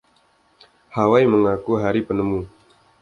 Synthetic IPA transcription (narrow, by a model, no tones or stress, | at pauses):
hawajməŋakuɦaɾipənəmu